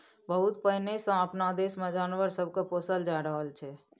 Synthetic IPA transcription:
bəɦʊt̪pəɦnesə̃əpnad̪eːsmẽd͡ʒaːnʋəɾsəb̚ʱkapoːsəld͡ʒaːɾəɦəlt͡ʃʰɛ

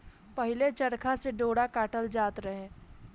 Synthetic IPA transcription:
pɐɦɪlet͡ʃɐɾkʰaseɖoːɽakaːʈəld͡ʒaːt̪ɾəɦẽː

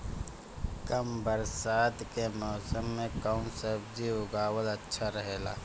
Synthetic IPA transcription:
kɐmbəɾsaːd̪kemɔːsəmːẽkaːnseːp̚d͡ʒiʊɡaːwəlɐtːʃʰaɾəɦeːla̰ː

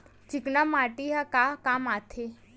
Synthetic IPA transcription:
t͡ʃiknamaʈiɦakakamat̪ʰe

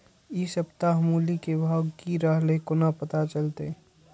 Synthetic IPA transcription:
isəbt̪aɦəmuːlikebʱaːɡkiɾəɦlekonapət̪at͡ʃəlt̪e

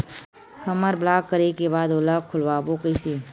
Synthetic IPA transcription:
hɐməɾblaːɡ̚kəɾekebaːd̪olakʰʊlʋabokəɪse

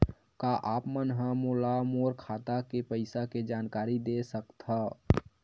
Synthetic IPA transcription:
kaʔaːpmənɦãmoːlamoːɾkʰaːt̪akepəɪsaked͡ʒaːnkaːɾid̪esəkt̪ɦa

